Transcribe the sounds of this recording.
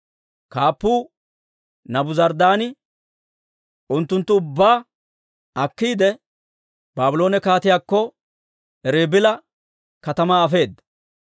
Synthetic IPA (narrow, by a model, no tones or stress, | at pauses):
kaːpːuː | nɐbʊzɐɾd̪aːnɪ | ʊnt̪ːʊnt̪ːʊʊbːaː | ʔɐkːiːd̪ɛ | b̥aːbʊlo̞ːnɛkaːt̪ɪjaːkːɔ | ɛɾeːbɪlɐ | kɐt̪ɐmaːɐfe̞ːd̪ːɐ